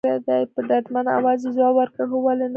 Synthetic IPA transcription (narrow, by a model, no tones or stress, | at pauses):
ad̪ajpəɖad̪mana̰wɑzezɑwaɾkaɦowalen